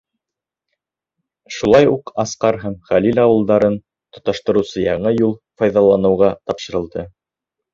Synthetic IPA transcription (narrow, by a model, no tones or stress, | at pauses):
ʃulˠɑjuqɑsqɑɾɦæmχælilʲɑwɤ̆lˠd̪ɑɾɤn | t̪ŏt̪ɑʃt̪ɤ̆ɾɤ̆wsɤjɑɴɤjulˠfɑjðɑlˠɑnɤ̆wʁɑt̪ɑpʃɤ̆ɾɤ̆lˠd̪ɤ